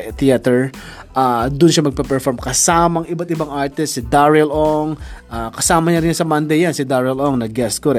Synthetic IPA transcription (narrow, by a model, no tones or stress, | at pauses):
t̪iat̪ɛɹʔad̪ʊnʃamɐɡ̚pɐpɛɹfoɹmkɐsaːmɐŋɪbat̪ɪbaŋʔaɹt̪ɪst̪sɪd̪aɹɛlʔoŋʔaːkɐsaːmɐɲaɐɾɪnɲasɐmɐnd̪ɛjansɪd̪aɹɛloŋnɐɡɛst̪koɾɛ